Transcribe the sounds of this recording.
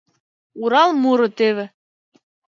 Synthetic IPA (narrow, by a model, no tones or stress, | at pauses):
uɾɑlˠmuɾɤ̆t̪eβɘ̆